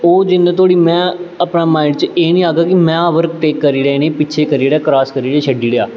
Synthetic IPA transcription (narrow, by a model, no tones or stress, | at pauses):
oːd͡ʒɪnːẽːt̪ʰoːɽiːmɛ̃ːəpnaːmaːɪɖt͡ʃəeːnĩːaːɡaːkɪmɛ̃ːʋəɾk̚ʈeːkːəɾiːɾəenẽːpɪtːʃʰeːkəɾiːɾaːkɾaːskəɾiːɾeːt͡ʃʰəɖiːɽeaː